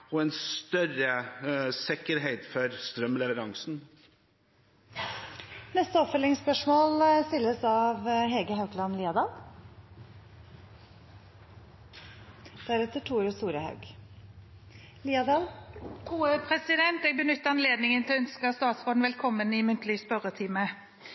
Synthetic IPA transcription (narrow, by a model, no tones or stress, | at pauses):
ɔɛnst̪œɾəsɪkəɾɦeɪt̪fɔɾst̪ɾœmlɛʋəɾɑŋsn̩ | nɛst̪əɔpfœlɪŋspœʂmoːlst̪ɪlːəsɑʋɦeːɡəhɑʉklɑnliːɑd̪ɑl | d̪̥æɾɛt̪ːəʈʰuːɾɔst̪uːɾəhɑ̰ʉɡ | liːɑd̪ɑːlʰuːəpʰʁɛsɪd̪ɛnt̪ɛɡ̚bənʏt̪ːəɑnleːd̪nɪŋənt̪ʰɪlœnskəst̪ɑːt̪sʁoːd̪n̩ʋɛlkʰɔmːənɪmʉnt̪ʰlɪspœɾət̪ʰɪmə